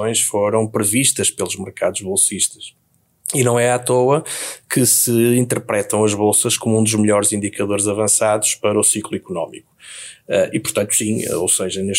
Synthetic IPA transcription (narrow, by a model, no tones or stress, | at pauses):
õj̃ʃfoɾɐ̃w̃pɾɨviʃt̪ɐʃpelˠuʒmɨɾkaðuʒβolˠsiʃt̪ɐ̥ʃ | inɐ̃w̃ɛat̪oɐkʰɨsɨĩnt̪ɨɾpɾɛt̪ɐ̃w̃ɐʒβolˠsɐʃkomuũd̪uʒmɨʎɔɾzĩnd̪ikɐðoɾzɐvɐ̃saðuʃpɐɾɐusiklˠuikunɔmiku̥ɛʔipuɾt̪ɐ̃nt̪u̥sḭ̃o̰wseʒɐneʃ